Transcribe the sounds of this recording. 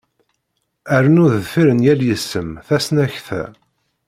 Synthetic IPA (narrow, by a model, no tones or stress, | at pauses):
æɾənʊðəðfiɾənjæljəsːəmθæsnæçθæ̰